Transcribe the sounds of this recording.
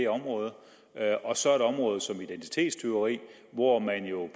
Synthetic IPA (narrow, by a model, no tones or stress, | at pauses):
eɒ̽mʁɔ̽ːð̞ˠ | ʔɒ̽sɒ̽ɐeɾ̥ɒ̽mʁɔ̽ːð̞̩ˠsɒ̽mid̥ent͡sʰi̥t͡sʰe̝̰ːd̥st͡sʰeʊʁḭː | ʋɒmænjo̝